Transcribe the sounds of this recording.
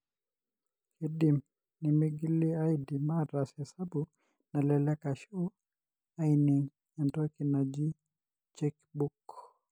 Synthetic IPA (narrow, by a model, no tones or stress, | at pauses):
kidim | nimiɡiliajdimaɾasɛsabu | nalɛlɛkaʃɔ | ajniŋ | ɛndɔkinad͡ʒi | t͡ʃɛkbuk